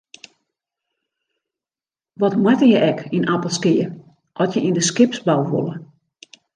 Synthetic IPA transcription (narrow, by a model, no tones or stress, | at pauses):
ʋɔtmwatəjəʔɛkinapəlˠskɪjə | ʔɔtjəʔindəskɪpsbalˠʋo̰lˠə